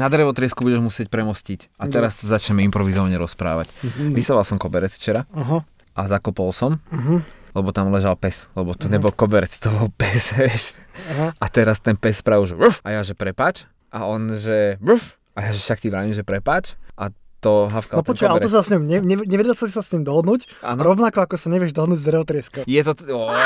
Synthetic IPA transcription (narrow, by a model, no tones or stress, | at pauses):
nad̪ɾɛʋɔt̪ɾɪɛskubuɟɛʒmusɪɛc̚pɾɛmɔscicat̪ɛɾasazat͡ʃɲɛmɛimpɾɔʋizɔʋaɲɛɾɔspɾa̰ːʋa̰cʋisaʋalˠsɔmkɔbɛɾɛt͡sft͡ʃɛɾaɦa | azakɔpɔlsɔm | lɛbɔt̪amlɛʒalpɛslɛbɔt̪ɔɲɛbɔlkɔbɛɾɛt͡st̪ɔbɔlpɛsɛʃɦat̪ɛɾast̪ɛnpɛspɾaʋuʒfʔajaʒɛpɾɛpaːt͡ʃ | ʔaɔnʒɛuf | ajaʒɛfʃakciʋɾaːʋimʒɛpɾɛpaːt͡ʃʔat̪ɔɦafkanɔp̪t̪ɔt͡ʃalɛɾɔs̬asɲɔmɲɛɲɛɲɛʋɛdalsasisasɲimd̪ɔɦɔd̪nuːcanɔɾɔʋnakɔakɔsaɲɛʋɪɛʒd̪ɔɦɔd̪nuːɟzd̪ɾɛʋɔt̪ɾɪɛskajɛt̪ɔɔ